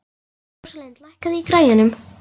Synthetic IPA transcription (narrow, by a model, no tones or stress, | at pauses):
salɛnt̪lahkaðɪikɾaːjɪnʏm